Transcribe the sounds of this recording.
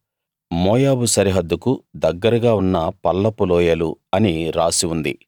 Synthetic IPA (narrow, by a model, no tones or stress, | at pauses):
mɔːjaːbusɐɾiɦɐd̪ːukud̪ɐɡːɐɾɐɡaːunːɐpɐlːɐpulɔːjɐluɐniɾaːsiund̪ḭ